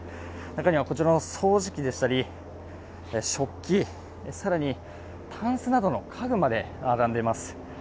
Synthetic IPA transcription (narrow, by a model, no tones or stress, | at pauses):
nakaɲ̟iβako̞t͡ɕiɾanso̞ːʑikʲid̪e̞ɕi̥t̪aɾʲi | ɕo̞kʲːi | esaɾaɲ̟i | t̪ʰãɰ̃sɨnad̪o̞no̞kʰaɡɯ̟mad̪e̞ | aɾãnd̪e̞masɨ̥